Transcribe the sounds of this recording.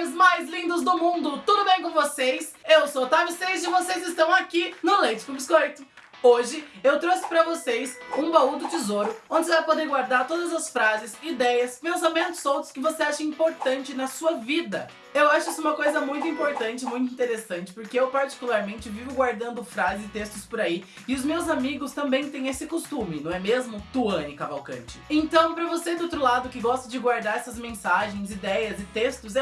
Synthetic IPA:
ɪzmajzlĩnd̪ʊzd̪ʊmũnd̪ʊt̪ud̪ʊbẽj̃kõvosesewsowt̪avɪst̪ejzd͡ʒɪvosejzɪst̪ɐ̃w̃akinʊlejt͡ʃɪ̥kʊbiskojt̪ʊ | oʒɪewt̪ɾosɪ̥pɾɐvosesũbaud̪ʊt͡ʃizoɾʊõd͡ʒɪsvajpod̪eɾɡwaɾd̪aɾt̪od̪ɐzɐsfɾazɪsid̪ɛjɐspẽsamẽnt̪ʊz̥owt̪ɾʊ̥skɪvoseaʃɐĩpoɾt̪ɐ̃nt͡ʃɪnɐsuɐvid̪ɐ | ewaʃʊisɛũmɐkojzɐmũj̃t̪̬ʊĩpoɾt̪ɐ̃nt͡ʃɪmũj̃t̪ʊĩnt̪eɾesɐ̃nt͡ʃɪ̥poɾkeewpaɾt͡ʃi̥kulaɾmẽnt͡ʃɪvivʊɡwaɾd̪ɐ̃nd̪ʊfɾazɪzɪt̪est̪ʊspoɾai | ɪʊzmewzamiɡʊst̪ɐ̃mbẽj̃t̪ẽj̃esɪkost̪ũmɪnɐ̃w̃ɛmezmʊt̪uɐ̃nɪkava̰wkɐ̰̃nt͡ʃɪ̥ẽnt̪ɐ̃w̃pɾɐvosed̪ʊowt̪ɾʊlad̪ʊkɪɡɔst̪ɐd͡ʒɪɡwaɾd̪aɾɛsɐzmẽsaʒẽj̃zid̪ɛjɐzɪt̪est̪ʊz

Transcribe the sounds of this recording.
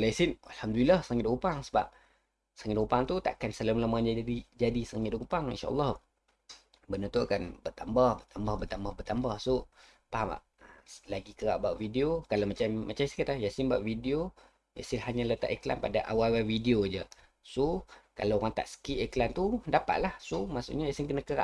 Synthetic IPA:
lasinalhamd̪ulilahsəŋɪtdokupaŋsəba̰p̚ | səŋɪt̪upaŋt̪ut̪a̰ʔkansələmlamad͡ʒadid͡ʒadisəŋɪt̪dkupaŋḭnʃa̰ɔ̰lːɑh | bənət̪uakanbət̪ambahbət̪ambahbət̪ambahbət̪ambahso | paba̰ʔ | əlaɡikəɾaʔbaʔvidiokalamat͡ʃamːat͡ʃamisə̥kit̪ahjasinbaʔvidio | ja̰sɪnɦaɲãlət̪a̰ʔekla̰npadaʔawawawidiod͡ʒə | soka̰laoɣaŋt̪a̰ʔsə̥kiʔeklant̪udapa̰ʔ̪̚lahsohmaʔsṵʔɲajasɪnkənakəɾa̰ʔ

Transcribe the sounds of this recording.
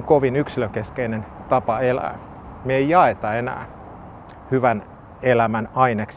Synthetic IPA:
ŋkoʋinyksiløŋkeskeinent̪ɑpɑelæ̰ː | mieijɑet̪ɑenæ̰ː | hyʋæn | elæmænɑineks

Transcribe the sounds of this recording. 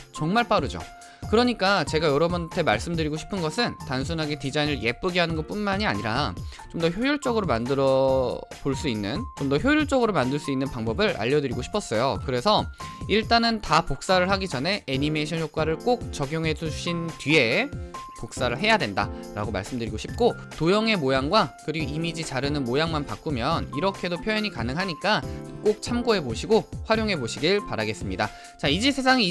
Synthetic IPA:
t͡ɕʌŋmaɭp͈aɾɯd͡ʑo̰ | kɯɾʌɲik͈at͡ɕe̞ɡajʌɾʌbuntʰe̞maɭs͈ɯmdɯɾiɡoɕʰi̥pʰɯnɡʌsʰɯntans̬ʰunɦaɡe̞tid͡ʑainɯɭje̞p͈ɯɡiɦanɯnɡʌp͈unmaɲiaɲiɾa̰t͡ɕomdʌçjojuɭt͡ɕ͈ʌɡɯɾomandɯɾʌpoɭs͈uinːɯnt͡ɕomdʌçjojuɭt͡ɕ͈ʌɡɯɾomandɯɭs͈uinːɯnpaŋbʌbɯɭa̰ʎːʌdɯɾiɡoɕʰi̥pʰʌs͈ʌjo̰kɯɾe̞sʰʌiɭt͈anɯntapok̚s͈aɾɯɭɦaɡid͡ʑʌne̞eɲime̞ɕʰʌnjok̚k͈waɾɯɭk͈ok̚t͡ɕʌɡjoŋɦe̞d͡ʑuuɕʰintɥie̞pok̚s͈aɾɯɭɦe̞jadwe̞nda̰ɾa̰ɡoma̰ɭs͈ɯmdɯɾiɡoɕʰip̚k͈o | tojʌŋɦe̞mojaŋɡwakɯɾiɡoimid͡ʑit͡ɕaɾɯnɯnmojaŋmanpak͈umjʌniɾʌkʰe̞dopʰjʌjʌɲikanɯŋɦaɲik͈ak͈ok̚t͡ɕʰamɡoɦe̞poɕʰiɡoɸwaɾjoŋɦe̞boɕʰiɡiɭpaɾaɡe̞s͈ɯmɲida | t͡ɕaid͡ʑesʰe̞sʰaŋi

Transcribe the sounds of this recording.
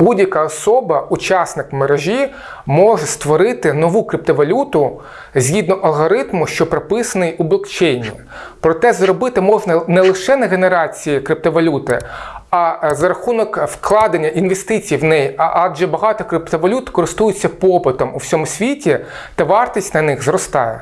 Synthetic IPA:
budʲjɐkɑɔsɔbɐut͡ʃɑsnɪkmeɾeʒʲi | mɔʒɛst̪ʋɔɾɪt̪ɪnɔʋukɾɪp̚t̪ɔʋɐlʲut̪ʊ | zʲɦʲid̪nɔʔɐlˠɦɔɾɪt̪mʊʃt͡ʃɔpɾɔpɪsɐnɪjʊblˠɔkt͡ʃɛjnʲːi | pɾɔt̪ɛzɾɔbɪt̪ɪmɔʒnɐnɛlˠɪʃɛnɐɣeneɾɑt͡sʲijikɾɪp̚t̪ɔʋɐlʲut̪ɪɐzɐɾɐxunɔkfklˠɑd̪ɐnʲːɐʔinʋest̪ɪt͡sʲijiwnɛjiʔɑdʒɛbɐɦɑt̪ɔkɾɪpt̪ɔʋɐlʲut̪kɔɾɪst̪ujʊt͡sʲːɐpɔpɪt̪ɔmuwsʲɔmʊsʲʋʲitʲi | t̪ɐʋɑrt̪ʲisʲtʲnɐnɪxzrɔst̪ɑ̰jɛ̰

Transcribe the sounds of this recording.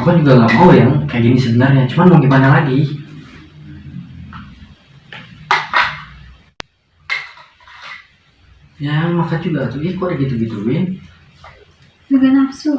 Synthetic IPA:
akad͡ʒuɡalamajaŋkajaɡinisəbənarɲat͡ʃumanmuŋɡimanalaɡi | jamakad͡ʒuɡat̪uʔikʊoʔəɡit̪uɡit̪uwɪn | d͡ʒuɡanapsu

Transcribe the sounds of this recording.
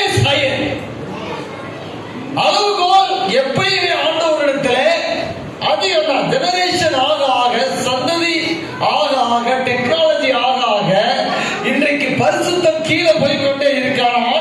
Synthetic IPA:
sɐjɐn | ɐðɯkoːlɛpːɐɽiʋeaːnɖɐɔɾɐɽɯt̪ːɪleː | ɐðɪɣɐnːaːd͡ʒɛnɐɾeːʂɐnaːɣɐaːɣɐsɐnd̪ɐði | ʔaːɣɐaːɣɐʈɛknaːlɐd͡ʒiaːɣɐaːɣɐ | ɪndrɐkːɯpɐɾɪsɯt̪ːɐmkiːlɐpɔjkːɔɳɖeːɪɾɯkːaːɐ

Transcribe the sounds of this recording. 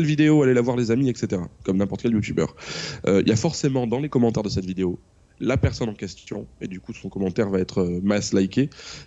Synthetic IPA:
ɛlvid̪eoalɛlavwaʁlezamiɛkset̪eʁa̰kɔmnɛ̃pɔʁt̪ə̥kɛljut̪ybœ̰ːʁøiljafɔʁsemɑ̃d̪ɑ̃lekɔmɑ̃t̪ɛʁd̪əsɛt̪vid̪eo | lapɛʁsɔnɑ̃kʲɛst̪jɔ̃ed̪ykusɔ̃kɔmɑ̃t̪ɛʁvaɛt̪χəmaslajkʲe

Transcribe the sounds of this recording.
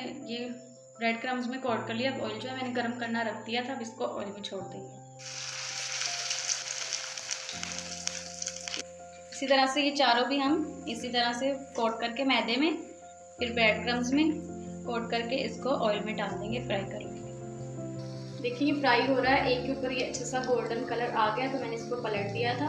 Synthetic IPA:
je | bɾɛːɖkɾə̃mzmẽkɔːʈ̚kɐɾliaɐbɔ̰ːɪld͡ʒoɦɛ̃mɛːneɡɐɾmkɐɾnaɾɐk̚ʰd̪ijat̪ʰabɪskoʔɔ̰ːɪlmẽt͡ʃʰoːɽd̪ẽːŋɡeː | ɪsit̪ɐɾəsejet͡ʃaːɾõbʱiɦɐmɪsit̪ɐɾəsekoːʈkɐɾkemɛːd̪emẽ | pʰɪɾbɛːʈɡɾə̃mzmẽkoːʈ̚kɐɾkeɪskoʔɔːɪlmẽɖaːld̪ẽːŋɡepɾaːikɐɾẽː | d̪eːkʰẽepɾaːiɦoːɾaaɦɛʔeːkjuːpəɾjeɐtːʃʰasaɡoːlɖənkɐləɾʔaːɡɐjat̪omɛ̃ːneɪskopɐləʈ̚d̪ijat̪ʰaː

